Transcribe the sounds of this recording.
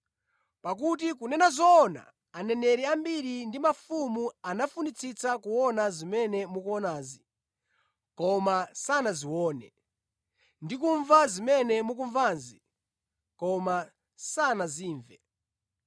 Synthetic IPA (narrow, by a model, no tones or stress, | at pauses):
pak̬utikunɛnazɔːna̰ː | nɛnɛɾiambiɾindimafumuanafunit͡sʰit͡sakuɔnazimɛnɛmukuɔnaːzi | kɔmasanaziwɔːnɛ | ndikuɱvazimɛnɛmuk̬uɱvaːnzi | kɔma | sanaziːɱvɛ